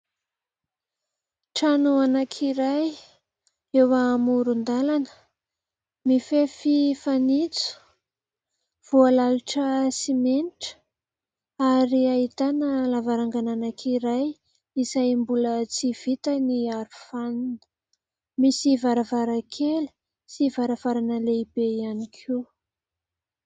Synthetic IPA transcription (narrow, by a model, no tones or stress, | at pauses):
ʈ͡ʂanuanakʰiɾaj | ewamuɾund̪alanə̥ | mifefifanit͡su̥ | v̥ualaluʈ͡ʂəsimeniʈ͡ʂə̥ | aɾiait̪anəlavaɾaŋɡananakʰiɾaj | isajmbulət͡siv̥it̪əniaɾufann | misivaɾəvaɾakʰeli̥ | sivaɾəv̥aɾanəleibeianikʰi